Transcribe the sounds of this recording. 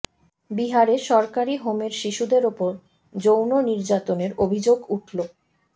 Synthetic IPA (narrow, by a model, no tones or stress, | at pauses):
biɦaɾeʃɔɾkaɾiɦomeɾʃiʃud̪eɾopoɾ | d͡ʑownoniɾd͡ʑat̪oneɾobʱid͡ʑoɡuʈʰlo